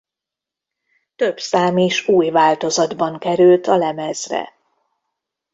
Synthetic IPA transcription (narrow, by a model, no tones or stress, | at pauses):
t̪øbsaːmiʃuːjvaːlt̪o̞zɒd̪bɒŋkɛɾylt̪ɒlɛmɛzrɛ̰